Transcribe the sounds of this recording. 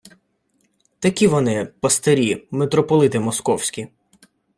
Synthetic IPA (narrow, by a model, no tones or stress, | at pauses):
t̪ɐkʲiʋɔnɪpɐst̪eɾʲimet̪ɾɔpɔlˠɪt̪ɪmɔskɔwsʲkʲi